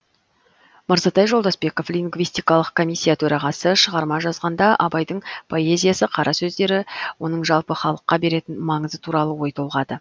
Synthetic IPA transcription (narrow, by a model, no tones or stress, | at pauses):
məɾzɑt̪ɑjʒold̪ɑsbe̞ko̞flʲiŋɡvijst̪ijkɑlˠəq̚kʰo̞mʲijsʲːijat̪ʰɵɾɑʁɑsəʃəʁɑɾmɑʒɑzʁɑnd̪ɑʔɑbɑjd̪əɴpʰo̞e̞zʲijasəqʰɑɾɑsɵzd̪e̞ɾɪwo̞nəɴʒɑlˠpəχɑlˠəqːɑbe̞ɾe̞t̪ɪnmɑɴəzət̪ʰuɾɑlˠəwo̞jt̪ʰo̞lˠʁɑd̪ə